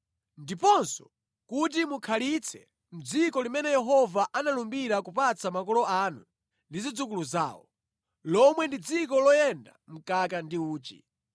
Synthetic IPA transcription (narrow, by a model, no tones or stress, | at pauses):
ndipɔnsɔ̥̰ | kut̬imukʰalit͡sʰɛ | m̩d͡zikɔlimɛnɛjɛɦɔvaʔanalumbiɾakupat͡sʰamakɔlɔanṵ | ndizid͡zuk̬uluza̰ːwɔ̰ | lɔmwɛndid͡zikɔlɔjɛnda̰m̩kakandiuːt͡ʃḭ